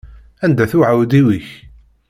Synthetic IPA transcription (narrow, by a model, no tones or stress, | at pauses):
ænd̪æθuʕawd̪iwiç